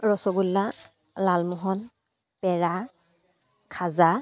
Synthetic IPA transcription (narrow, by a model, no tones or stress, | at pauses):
ɹɔsɔɡulːa | lalmɔɦɔn | pɛɹa | kʰaza